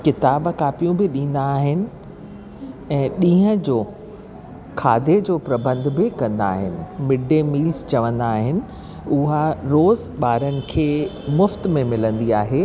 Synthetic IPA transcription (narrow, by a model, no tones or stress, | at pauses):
kɪt̪aːbkaːpijũbɪɗĩːn̆d̪aːɦɪnɪ̆ | ɛ̃ːɗĩːɦə̃d͡ʑoː | kʰa̰ːd̪ʱed͡ʑoːpɾɐbə̃nd̪ʱbɪkɐ̃nd̪aːɦɪnɪ̆mɪɖʱemiːlst͡ɕɐʋə̃nd̪aːɦɪnɪ̆ | ʊɦaɾoːz | ɓaːɾənɪ̆kʰeːmʊft̪mẽmɪlə̃nd̪iaːɦeː